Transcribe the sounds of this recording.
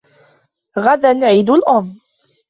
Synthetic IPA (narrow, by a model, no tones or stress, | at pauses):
ɣad̪anʕiːd̪ʊlʔʊm